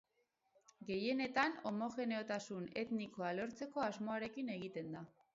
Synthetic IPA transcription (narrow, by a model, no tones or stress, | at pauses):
ɡe̞je̞ne̞t̪ano̞mo̞xe̞ne̞o̞t̪asune̞t̪niko̞alo̞ɾt͡se̞ko̞azmo̞aɾe̞kine̞ɣ̞it̪e̞nd̪a